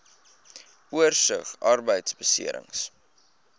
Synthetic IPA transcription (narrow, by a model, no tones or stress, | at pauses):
uərsəχɐrbəjtsbəsḭəɾə̰ŋs